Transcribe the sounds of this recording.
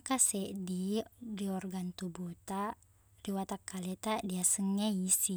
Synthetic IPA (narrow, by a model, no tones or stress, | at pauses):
kasɛʔdidiɔrɡant̪ubot̪a | riwat̪akːalɛt̪adiasəŋɛisi